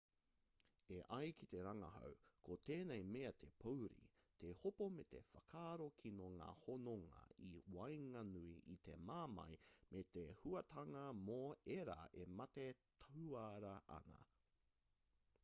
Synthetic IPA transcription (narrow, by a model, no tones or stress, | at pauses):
eʔɐjkʰit̪e̞ɾɐŋɐɦɐ̰wkʰot̪eːnejmeɐt̪ʰe̞pʰowɾḭt̪ehopomet̪e̞̰fɐkʰaːɾokʰinoŋa̰ːhonoŋɐ̰iwɐjŋɐnuiʔit̪e̞maːmɐ̰jmʔet̪ehuɐt̪ʰɐŋɐmoeɾa̰ʔemɐt̪et̪ʰɐwaɾɐʔɐ̰nɐ̰